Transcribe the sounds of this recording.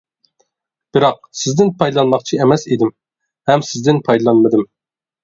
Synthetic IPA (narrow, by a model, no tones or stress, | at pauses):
b̥ɪɾɑq̚sɪzd̪ɪnpʰɑjd̪lˠɑnmɑχt͡ʃʰiɛmɛsid̪ɪm | hɛmsɪzd̪ɪnpʰɑjd̪ɨlˠɑnmɨd̪ɨm